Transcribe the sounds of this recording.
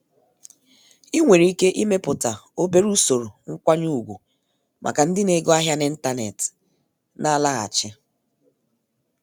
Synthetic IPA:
i˦ŋʷe˨ɾi˦ke˦ʔi˦me˦pʊ˨ta˨o˦be˦ɾu˦so˨ɾo˨ŋ̩˦kʷa˦ɲu˦˨ɡʷu˨ | mʔa̰˨ka˨n̩˦dɪ˦ne˨˦ɡɔ˦a˦ɦja˦nɪ˦n̩˦ta˦nḛ˨tɪ̥˨ | na˦la˦ɣa̰˨t͡ʃɪ˦

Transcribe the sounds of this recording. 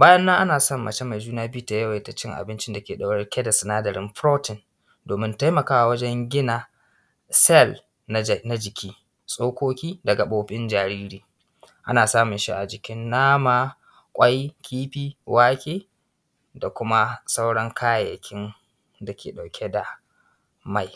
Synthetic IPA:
baː˦jɐ˦nːa˦ʔa˦naː˨sɐ˦mːɐ˨t͡ʃe˦ma˨d͡ʒuː˦naː˦bi˦ta˨jɐ˦wje˨ta˦t͡ʃɪ˦ŋʔa̰˨bɪ˦nt͡ʃɪ˦nda˨kʲeː˨ɗa˨wɽɛ˦rkʲɛ˦da˨sɪ˨naː˦dɐ˨ɾɪ˦mɸɾoː˦tɪ˨n | doː˨mɪ˦nta˦jmɐ˨kaː˦wa˨wɐ˦d͡ʒɛ˦ŋɡʲɪ˦na˨ | sɛ˦l | na˦d͡ʒɪ˨kʲiː˦ | sʼoː˦kʷoː˦kʲiː˦dɐ˨ɡa˨ɓoː˦ɸʼɪ˦nd͡ʒaː˨ɾiː˦ɾiː˨ | ʔa˦naː˨saː˦mʊ˨nʃi˦ʔa˨d͡ʒɪ˨kʲɪ˦nːaː˦maː˨ | kʷʼa˦jkʲʰiː˦ɸiː˦wʔaː˦kʲʼeː˦ | da˨kʷʊ˦ma˦sa˦wɽɐ˦ŋkʰaː˦˨jɐ̰˨kʲʰɪ˦n | da˨kʲḛː˨ɗa˨wkʲʰe˦da˨ | ma˦˨j

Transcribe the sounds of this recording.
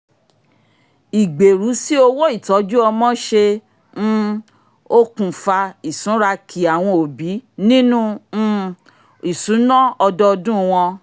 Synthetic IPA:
i˨ɡ͡be˨ɾu˨˦si˦o˧wo˦i˦˨tɔ˨˦d͡ʒu˦ɔ˧mɔ̃˦ʃe˧ | ñ̩˦ | o˦kũ˨fa˧i˨sũ˨˦ɾa˧kʰi˨a˨w̃ɔ̃˧o˨bi˨˦nĩ˦nũ˦˧ | i˨sũ˨˦nɔ̃˦ɔ˧dɔ˦˧dũ˦˧w̃ɔ̃˧

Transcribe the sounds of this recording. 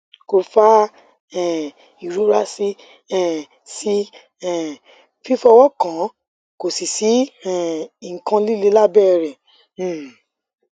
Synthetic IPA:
ko˧fa˦ | ɛ̃˨ | i˨ɾo˨˦ɾa˦si˦ | ɛ̃˨ | si˦ | ɛ˨ | fi˦fɔ˧wɔ˦kã˨˦ | ko˨si˨si˨˦ɛ˦˨i˨ŋ̩˨kã˧li˦le˧la˦bɛ˦˨ɾɛ̃˨˦˨

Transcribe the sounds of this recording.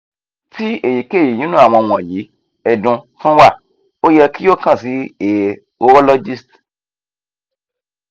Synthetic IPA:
ti˦e˦˨ji˨ke˦˨i˨nĩ˦nũ˦a˦˨w̃ɔ̃˧w̃ɔ̃˨ji˨˦ | ɛ˨dũ˧fũ˦wa˦˨ | o˦jɛ˧ki˦o˦˨kã˦˨si˨˦e˨ | o˦ɔ˦lɔ˦d͡ʒi˦˨st

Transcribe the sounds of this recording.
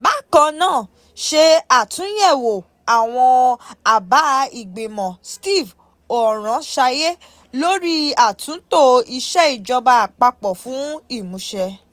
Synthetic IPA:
ba˦kɔ̃˧nãː˦˨ | ʃe˧a˨tʰũ˨˦jɛ˦˨wo˨ | a˨w̃ɔ̃˧a˨ba˨˦i˦˨ɡ͡be˨mɔ̃˨sti˦˨v | o˨ɾ̃ã˨˦ʃa˧je˦ | lo˦ɾi˦a˨tʰũ˨˦to˦˨i˧ʃɛ˦i˨d͡ʒɔ˧ba˧˨k͡pa˧k͡pɔ˨fũ˨˦i˦˨mũ˨˦ʃɛ˧

